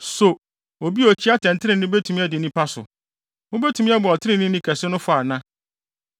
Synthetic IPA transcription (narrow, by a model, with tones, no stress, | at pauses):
so˨ | o˨bi˦o˨t͡ɕʰi˦a˦tʰɛ̃˨n˨tʰɪ˦nɪ̃˨nʊ̃˦be˦tʰu˨mĩ˦ɛ˦dɪ˨nĩ˦pʰa˦sʊ̰˨ | ʊ˦be˦tʰũ˨˦mĩ˦a˦bʊ˨ɔ˨tʰɪ˦ɾɪ̃˨nɪ̃˦nĩ˦kʰæ˨sɪ˦nʊ̃˦fʊ˦a˨nã˦